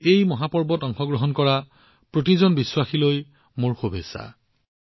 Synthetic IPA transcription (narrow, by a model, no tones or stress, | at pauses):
ejmɔɦapɔɹbɔtɔŋxɔɡɹɔɦɔnkɔɹa | pɹotizɔnbiswaxiloj | moɹxobʱesa̰